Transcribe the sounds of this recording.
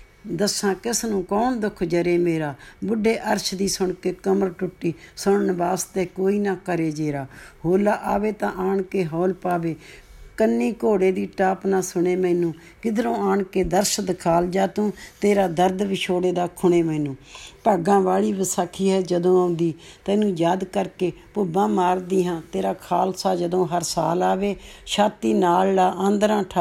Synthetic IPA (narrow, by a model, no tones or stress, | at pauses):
d̪əsãːkɪsnũːkɔːnd̪ʊkʰd͡ʒəɾeːmeːɾaːbʊɖːeːʔəɾʃd̪iːsʊɳkeːkəməɾʈʊʈːiːsʊɳənʋaːst̪eːkoːiːnaːkəɾeːd͡ʒeːɾaːhoːlaːʔaːʋeːt̪ãːʔaːɳkeːɦɔːlpaːʋeːkənːiːkoːɽeːd̪iːʈaːpnaːsʊɳeːmɛːnũː | kɪd̪ɾõːaːɳkeːd̪əɾʃəd̪kʰaːld͡ʒaːt̪ũːt̪eːɾaːd̪əɾd̪ʋɪʃʰoːɽeːd̪aːkʰʊɳeːmɛːnũːpəɡãːʋaːɭiːʋəsaːkʰːiːɦɛːd͡ʒəd̪õːaʊnd̪iːt̪ɛ̃ːnũːjaːd̪kəɾkeː | pʊbãːmaːɾd̪iːɦãːt̪eːɾaːkʰaːlsaːd͡ʒəd̪õːɦəɾsaːlaːʋeːʃaːt̪iːnaːllaːʔənd̪ɾãːʈʰ